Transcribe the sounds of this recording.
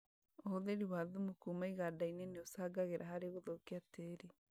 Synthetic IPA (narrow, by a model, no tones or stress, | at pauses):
ohoðeɾiwaðumukumaiɣadainɛneosaɡaɣeɾʔaɦaɾeɣoðokeateɾi